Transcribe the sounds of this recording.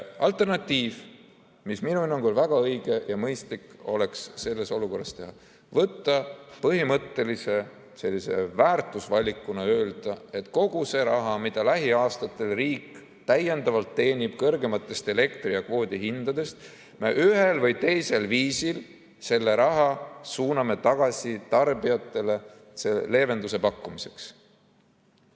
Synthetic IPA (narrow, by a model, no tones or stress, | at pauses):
ɑlt̪ːˑe̞rnɑt̪ːiːv | misminuinoŋɡolvæɡ̥ɑɤjɡ̥e̞jɑmɤjst̪liko̞le̞ksːe̞lːe̞so̞luko̞rːɑ̰st̪e̞ɦɑ | vɤt̪ːɑpɤɦimɤt̪ːe̞lise̞ | se̞lːise̞̰væːrt̪ːˑusvɑlʲːikːˑunɑø̞ːld̪̥ɑe̞t̪ko̞ɡ̥use̞ːɾɑɦɑmid̪̥ɑlæɦiɑːst̪ɑt̪ːˑe̞lriːk | t̪æje̞nd̪̥ɑvɑlt̪ːe̞ːnʲib̥kɤrɡe̞mɑt̪ːˑe̞st̪e̞le̞kt̪ɾiɑkvo̞ːd̪̥ʲiɦind̪̥ɑd̪e̞st̪ | meʔyɦe̞lvɤjt̪e̞jse̞lviːsil | se̞lːe̞ɾɑɦɑsuːnɑme̞t̪ɑɡ̥ɑsʲit̪ɑrbiɑt̪ːˑe̞le̞ | sele̞ːve̞nd̪use̞pɑkːˑumise̞̥ks